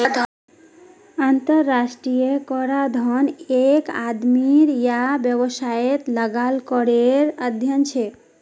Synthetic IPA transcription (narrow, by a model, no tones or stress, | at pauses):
ad̪ʱ | ant̪əɾːasʈɾijekɔɾad̪ʱɔnekad̪miɾjabjəβəsaet̪ləɡalkəɾeɾəd̪ʱjənt͡ʃʰe